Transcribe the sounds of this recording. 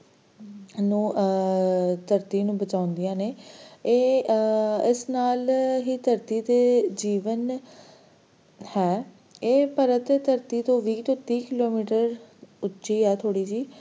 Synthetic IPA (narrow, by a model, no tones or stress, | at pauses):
nũː | t̪əɾt̪iːnũːbət͡ʃaːʊnd̪ijãːneːeː | ɪsnaːlɦiːt̪əɾt̪iːt̪eːd͡ʒiːʋən | hɛː | eːpəɾət̪et̪əɾt̪iːt̪õːʋiːt̪õːt̪iːkɪloːmiːʈəɾʊtːʃiːɦɛːt̪ʰoːɽiːd͡ʒiː